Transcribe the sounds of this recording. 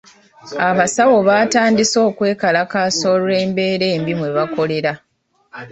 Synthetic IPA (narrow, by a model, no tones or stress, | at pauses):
aβasawo̞βaːtaːndiso̞ːkwe̞ːkalakaːso̞ːɾuɾe̞ːmbe̞ːɾe̞ːmbimwe̞βako̞le̞ɾa